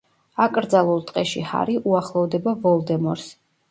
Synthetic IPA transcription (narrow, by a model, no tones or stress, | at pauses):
akʼɾd̪zalˠulˠt̪ʼqʼɛʃiha̰ɾiʔuaχlˠɔvd̪ɛbavɔlˠd̪ɛmɔɾs